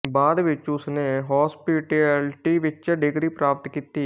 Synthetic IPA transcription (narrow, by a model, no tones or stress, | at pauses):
baːd̪ʋɪt͡ʃʊsneːɦɔːspiʈelʈiːʋɪt͡ʃɖɪɡɾiːpɾaːp̚t̪kiːt̪ːiː